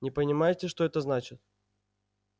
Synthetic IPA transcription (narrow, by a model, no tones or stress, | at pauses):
nʲɪpənʲɪmajɪtʲɪʂt̪o̞ɛt̪əznat͡ɕɪt̪̚